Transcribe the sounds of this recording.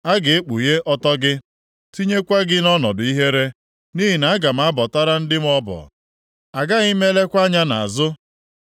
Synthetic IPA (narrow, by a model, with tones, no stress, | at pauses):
a˦ɡɪ˨e˦k͡pu˨je˦ʔɔ˦tɔ˦ɡɪ˦ | ti˦ɲe˦kʷa˦ɡɪ˦nɔ˦nɔ˨dʊ˨i˦ɦe˦ɾe˦ | ni˦ɦi˨na˨a˦ɡa˨m̩˦a˦bɔ˨ta˦ɾa˦n̩˦dɪ˦m˦ɔ˦bɔ̰˨ | a˨ɡa˦ɣi˦me˦le˦kʷa˦ɲa˦na̰˨a̰˨zʊ˦